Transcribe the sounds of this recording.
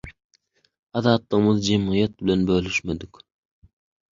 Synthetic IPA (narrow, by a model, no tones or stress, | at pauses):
ɑðɑːt̪lˠəʁmɯzd͡ʒemʁijɛt̪̚bɪlɛnbølyʃmed̪ɪkʲ